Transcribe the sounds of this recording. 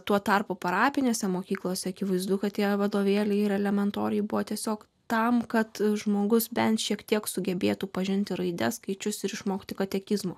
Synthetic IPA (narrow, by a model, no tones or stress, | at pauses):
t̪uɔt̪ɐrpuːpɐɾɑːpʲɪnʲoːsʲɛmoːkʲiːklˠoːsʲɛɐkʲɪʋɐɪzd̪ʊkɐt̪t̪ʲiɛʋɐd̪oːʋʲeːlʲɛɪɪɾɛlʲɛmʲɛnt̪oːɾʲɪjɪbʊʋoːt̪ʲiɛsʲoːk | t̪ɐmkɐt̪ʒmoːɡʊsbʲɛnt̪ʃʲiɛkt̪ʲiɛksʊɡʲɛbʲeːt̪uːpɐʒʲɪnʲt̪ʲɪɾɐɪd̪ʲɛskɐɪt͡ʃʲʊsɪɾɪʃmoːkʲt̪ʲɪkɐt̪ʲɛkʲɪzmoː